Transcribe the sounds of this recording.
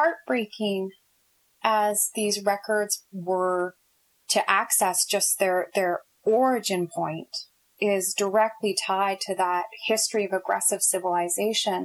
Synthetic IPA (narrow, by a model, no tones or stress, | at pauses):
ɑɹt̚b̥ɹeɪkʰɪ̃ŋ | ʔəzðizɹɛkʰə˞dzwə˞ | ɾɨʔæksɛsd̥ʒ̥ʌsðə˞ðə˞ | ɔɹɨd͡ʒɨ̃npʰɔ̃ɪ̃nt | ɪzdə˞ɛk̚tʰˡlitʰaɪd̚tʰɨðət̚hɪstɹ̥iʌvɨɡɹɛ̰sɨv̥sɪvəl̩ˠɨzeɪʃɨ̃n